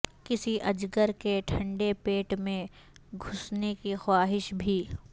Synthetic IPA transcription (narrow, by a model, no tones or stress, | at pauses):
kɪsiʔɐd͡ʒɡəɾkeʈʰɐ̃ɳɖepeːʈmẽ | ɡʱʊsnekixwaːɦɪʃbʱiː